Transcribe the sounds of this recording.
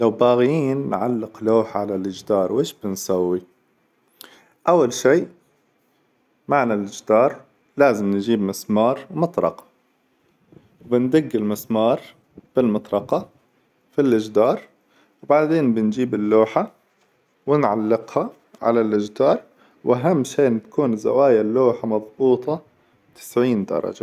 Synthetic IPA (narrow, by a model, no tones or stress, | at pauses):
lawbaːɣjiːnːʕalːɪqloːħʕalalʔɪd͡ʒd̪ɑːɾˤwʔeːʃb̥ɪnsawːi | ʔawːalʃiː | maʕnalʔɪd͡ʒd̪ɑːɾˤ | laːzɪmnd͡ʒiːbmɪsmɑːɾˤmɑt̪ˤɾɑ̰qɑ̥ | wbɪnd̪ɪɡːɪlmɪsmɑːɾˤ | b̥ɪlmɑt̪ˤɾˤɑqɑ | filʔɪd͡ʒd̪ɑːɾˤ | wbaʕd̪eːnbɪnd͡ʒiːbɪlːoːħa | wɪnʕalːɪqha | ʕa̰lalʔɪd͡ʒd̪ɑːɾˤ | wʔaɦamːʃeːnt̪ḁkuːnza̰waːjalːoːħamɑðˤbuːt̪ˤɑ | t̪ɪ̥sʕiːnd̪ɑ̰ɾˤɑ̰d͡ʒa